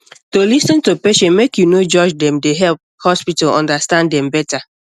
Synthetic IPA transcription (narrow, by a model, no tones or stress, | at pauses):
tolisɔ̃ntopeʃɛ̃nmekjunod͡ʒɔd͡ʒdɛ̃mdeɦɛlp̚hɔspitalɔ̰̃ndastãnddɛ̃mbɛta